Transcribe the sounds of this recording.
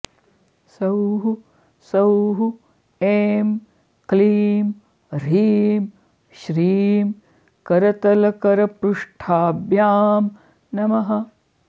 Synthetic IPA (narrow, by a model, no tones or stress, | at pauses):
sɐwɦu | sɐwɦu | eːm | kliːm | ɾiːm | ʃɾiːm | kɐɾɐt̪ɐlɐkɐɾɐpɾuʂʈʰaːbjaːm | nɐmɐɦɐ